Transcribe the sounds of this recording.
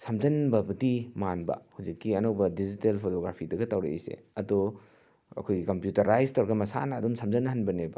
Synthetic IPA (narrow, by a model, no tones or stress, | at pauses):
sɐmzɐnbɐbɐdimanbɐ̰hud͡ʒikːiɐnɐwbɐdizitelpʰotoɡɾapʰidɐɡɐtawɾḛḭsḛɐdu | ɐ̰kʰojɡikɐmpjutɐɾajztawɾɐɡɐmɐsa̰nɐːdumsɐmzɐnːɐɦanbɐnebɐ